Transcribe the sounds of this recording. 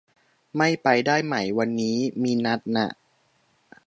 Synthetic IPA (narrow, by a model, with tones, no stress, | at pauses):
ma˥˩jpa˧jdaː˥˩jma˧˩jwa˧nːiː˦˥miː˧na˦˥t̪̚na̰˧˩ʔ